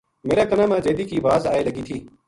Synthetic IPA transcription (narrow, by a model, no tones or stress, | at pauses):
meːɾaːkɐnaːmãːd͡ʒeːd̪iːkiːʋaːzaːeːlɐɡiːt̪ʰiː